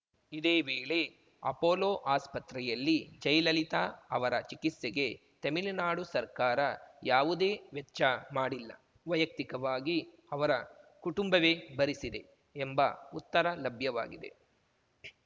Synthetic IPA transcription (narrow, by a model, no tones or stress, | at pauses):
id̪eːʋeːɭe̞ | ɐ̰poːloːʔaːspɐt̪ɾɛjɐlːid͡ʒɐjlɐlit̪aːɐʋɐɾɐt͡ʃikit̪seɡe̞ | t̪ɐmilinaːɽusɐɾkaːɾɐjaːʋud̪eːʋɛtːt͡ʃːɐmaːɽilːɐ̰ | ʋɐjɐk̚t̪ikɐʋaːɡi | ɐʋɐɾɐkuʈumbɐʋeːbɐɾisid̪e̞ | embɐ̰ut̪ːɐɾɐlɐbʱjɐʋa̰ːɡid̪e̞̰